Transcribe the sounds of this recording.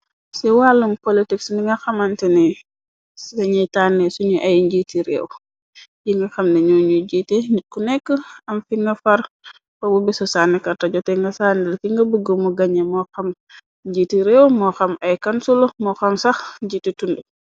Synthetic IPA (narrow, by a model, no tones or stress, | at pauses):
sɛwalːumpolitiksniŋɡɐxɐmɐntɛnɛ | sdɛɲɐjtaːnːɛsuɲuʔɐjɲɟitiɾɛ̰w | jiŋɡɐxɐmnɛɲɔɲuɟiːtɛɲit̚kunɛkːəɐmfiŋɡɐfɐɾ | kɔbubisɔsaːnːɛkɐtɐɟɔtɛŋɡɐsaːndɛlkiŋɡɐbuɡəmuɡɐɲɛmɔxɐm | ɲɟiːtiɾɛwmɔxɐmɐjkɐnsulomɔxɐmsɐxɟititundu